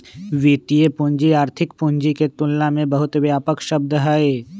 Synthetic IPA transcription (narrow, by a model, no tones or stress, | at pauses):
ʋiːt̪ijepʊ̃ɲd͡ʒiaːɾt̪ʰɪkpʊ̃ɲd͡ʒiket̪ʊlːamẽbɐɦʊt̪ʋjaːpəkʃɐb̚d̪ɦaːeː